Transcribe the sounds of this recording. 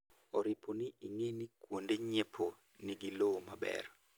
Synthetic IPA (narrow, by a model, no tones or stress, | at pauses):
ɔɾɪponɪiŋenikwondeɲepʰo | niɡilomabɛ̰ɾ